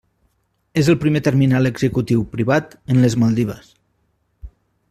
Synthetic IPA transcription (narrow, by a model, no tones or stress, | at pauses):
ezəlˠpɾimet̪əɾminaləɡzəkut̪iwpɾiβat̪ənləzməlˠd̪iβ̞ə̰s